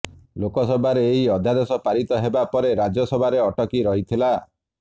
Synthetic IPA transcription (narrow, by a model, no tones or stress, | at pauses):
lokɔsɔbʱaɾeːɦiɔd̪ʱjad̪ɔsɔpaɾit̪ɔɦebapɔɾeɾad͡ʒɔsɔbʱaɾeɔʈɔkiɾɔɦit̪ʰila